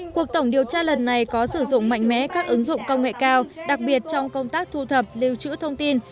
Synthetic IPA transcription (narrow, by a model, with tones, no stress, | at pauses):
ku˨˩ək̚t̪ə˧˩wŋ͡mɗi˨˩əwt͡ɕaː˧lə˨˩nːa˨˩jkɔ˨˦sɨ˧˩zʊ̰˧˨ŋ͡mma̰˧˨jŋ̟mɛ̰˨˥kaː˦˥k̚ʔɨ˨˦ŋzʊ̰˧˨ŋ͡mkə˧wŋ͡mŋḛ˧˨kaː˧wɗa˨˩k̚ɓi˨˩ət̚t͡ɕɔ˧wŋ͡mkə˧wŋ͡mt̪aː˦˥k̚t̪ʰu˧t̪ʰə˨˩p̚li˧wt͡ɕɨ̰˧˥t̪ʰə˧wŋ͡mt̪i˧n